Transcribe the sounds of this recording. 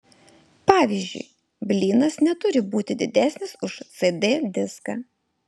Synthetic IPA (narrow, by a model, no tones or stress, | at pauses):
pɑːʋʲizʲd͡ʒʲʊ̰ɪ | bʲlʲiːnɐsnʲɛt̪ʊɾʲɪbuːt̪ʲɪd̪ʲɪd̪ʲæsʲnʲɪsʊʃt̪sed̪ʲeːd̪ʲɪskɑ